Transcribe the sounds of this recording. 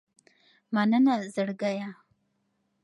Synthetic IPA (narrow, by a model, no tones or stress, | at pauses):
manənazəɽɡaja